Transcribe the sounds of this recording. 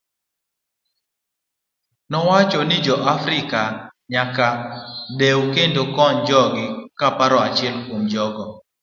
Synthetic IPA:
nɔwat͡ʃɔnɪd͡ʒɔʔafɾɪkaɲakadewkendokɔnd͡ʒɔɡɪkapaɾɔat͡ʃɪɛlkwomd͡ʒɔɡɔ

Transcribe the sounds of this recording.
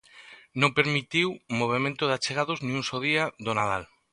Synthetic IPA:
nõmpeɾmit̪iwmoβ̞emẽnt̪ʊðat͡ʃeɣaðoznĩŋuŋsoðiaðonaðal

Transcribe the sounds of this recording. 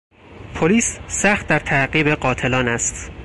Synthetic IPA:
pʰoliːssæxt̪̚d̪æɾt̪ʰæɢiːbe̞ɢɒːt̪ʰe̞lɒːnæst̪

